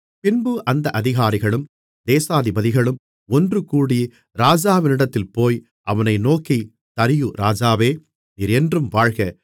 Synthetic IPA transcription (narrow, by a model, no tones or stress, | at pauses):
pɪnbɯʔɐnd̪ɐʔɐðɪɣaːɾɪɣɐɭɯm | d̪eːsaːðɪbɐðɪɣɐɭɯm | ɔndrɯkuːɽij | ɾaːd͡ʒaːʋɪnɪɽɐt̪ːɪlpoːj | ʔɐʋɐnɐɪnoːki | t̪ɐɾɪjɯɾaːd͡ʒaːʋeː | niːɾɛndrɯmʋaːɻɣɐ